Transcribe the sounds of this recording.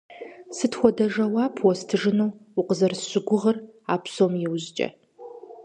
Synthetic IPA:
sɨtʰxʷɔdɐʒɐwaːpʰwɔstʰɨʒɨnowʊqəzɐrsɕʷɪɡʷʊʁəraːpʰsomjɪwʑt͡ʃʼɐ̰

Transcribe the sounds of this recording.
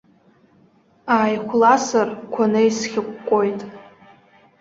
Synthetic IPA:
aːjχʷʰlasɨrkʷʰanɨisχʲɪkʷːʼo̞jtʼ

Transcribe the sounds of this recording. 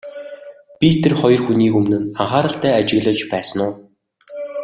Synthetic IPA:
pʲit̪ʰerχɔjɞ̆rxuniːkɵmnɘ̆naɴχaːɾə̆ɬt̪æːat͡ɕɪ̆ɣɮə̆t͡ɕpæːsə̆nʊː

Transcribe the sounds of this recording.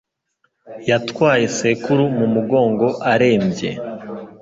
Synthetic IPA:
jatkwaːje̞se̞kuɾumumuɡo̞ːŋɡo̞ʔaɾe̞ːmbje̞̰

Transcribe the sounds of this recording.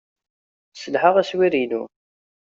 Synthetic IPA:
səlħəʁæswiɾilu

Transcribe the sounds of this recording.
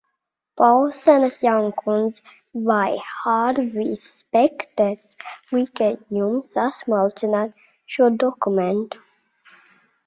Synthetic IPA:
pawlˠsɛnasjawŋkʰund̪z | vajhaɾvisːpɛkt̪ɛɾswikɛt̪jumsasmalˠinat̪ | ʃuɔd̪ɔkumeɛnt̪u̥

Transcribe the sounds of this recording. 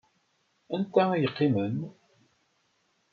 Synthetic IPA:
ænkʷːææjəqːimən

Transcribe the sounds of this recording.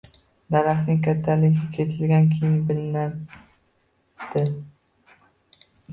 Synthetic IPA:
d̪aɾaχnɪŋkʰʲat̪ʰːalɪɡʲɪkʲʰe̞sʰɪlɡʲankʲʰejɪnbɪlɪna | d̪̥ɪ

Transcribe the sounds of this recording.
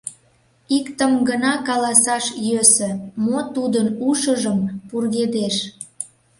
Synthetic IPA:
ikt̪əmɡənɑkɑlɑsɑʃjøsø̆mot̪ud̪ənuʃəʒəmpurɣed̪eʃ

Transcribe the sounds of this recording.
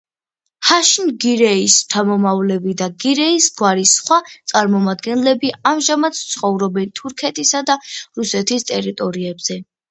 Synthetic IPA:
haʃnɡiɾɛist̪ʰamɔmavlɛbid̪aɡiɾɛisɡwaɾisχwat̪sʼaɾmɔmad̪ɡɛnlɛbiamʒamat̪st̪sʰχɔvɾɔbɛnt̪ʰuɾkʰɛt̪ʼisad̪aɾusɛt̪ʰist̪ʼɛɾit̪ʼɔɾiɛbz̥ɛ

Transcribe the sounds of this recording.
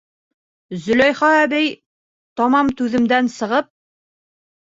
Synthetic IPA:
zɵ̆lɒjχɑæβæj | t̪ɒmɑmt̪ʉðɘ̆md̪ænsɤ̆ʁɤp̚

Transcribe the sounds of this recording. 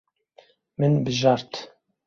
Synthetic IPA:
mɨnbɨʒɑɾt̪ʰ

